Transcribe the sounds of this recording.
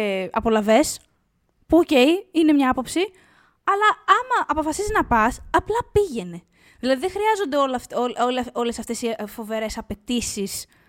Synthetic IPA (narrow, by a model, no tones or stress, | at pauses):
ɐ̰po̞lɐve̞s | puoce̞jine̞mɲɐɐpo̞psi | ɐlɐɐmɐʔɐpo̞fɐsiziznɐpɐsɐplɐpiʝe̞ne̞ | ðilɐðiðexɾiɐzo̞nd̪eolɐfololo̞le̞sɐft̪e̞sifo̞ve̞ɾe̞sɐpe̞t̪isis